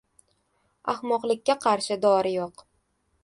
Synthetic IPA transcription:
a̰χmɒqlˠɪk̚ʲːaqʰɑɾʃɪd̪ɒɾɪjoq

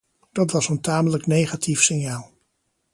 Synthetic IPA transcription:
d̥ɑtʋɑsəntaːmələknejχatʰifsɪnjaːlˠ

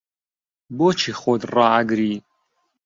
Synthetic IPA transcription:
boːt͡ʃʰixod̪rɑːaɡɾiː

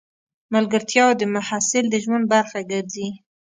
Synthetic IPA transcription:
malɡəɾt̪ʰjɑwod̪əmahasɪld̪əʒwand̪̚baɾxaɡəɾzi

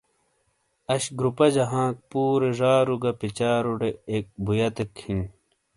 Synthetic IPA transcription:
ɐɕɡɾupɐd͡ʑɐɦãːk̚puːɾeʐaːɾuɡɐpit͡ɕaːɾuɽeːk̚bujɐt̪ekhin

